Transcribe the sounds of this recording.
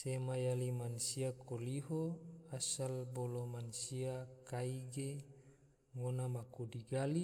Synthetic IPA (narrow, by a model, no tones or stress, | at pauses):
semajalimansiakoliɦoasalbolomansiakaiɡe | ŋonamakudiɡali